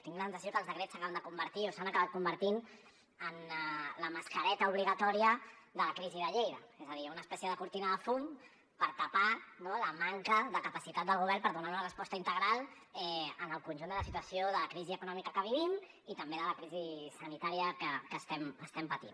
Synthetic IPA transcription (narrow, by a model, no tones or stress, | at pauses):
t̪iŋɡləsənsəsiokəːlˠzəkɾet͡sːəkaβənd̪əkumbəɾt̪iosanakaβat̪̚kumbəɾt̪in | ənləməskəɾɛt̪əuβ̞liɣət̪ɔɾiəðələkɾiziðəʎejðəezəðiunəːspɛsjəðəkuɾt̪inəðəfun | pəɾt̪apanoləmaŋkəðəkəpəsit̪at̪d̪əlˠɣ̞uβ̞ɛɾpəɾðunaɾunərəspɔst̪əint̪əɣɾalˠ | ɛənəlˠkunʲʒund̪ələs̬it̪wəsioðələkɾiziəkunɔmikəkəβ̞iβ̞im | it̪əmbeðələkɾizisənit̪aɾijəkəkəst̪ɛməst̪ɛmpət̪in